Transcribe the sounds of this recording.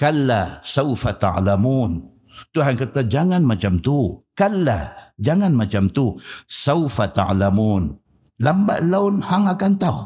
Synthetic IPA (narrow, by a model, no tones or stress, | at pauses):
kalːasawfat̪a̰ʕlamuːn | t̪uɦankat̪ad͡ʒaŋanmat͡ʃamt̪ukalːad͡ʒaŋanmat͡ʃamt̪usawfat̪a̰ʕlamuːn | lamba̰ʔlawnhaŋakant̪au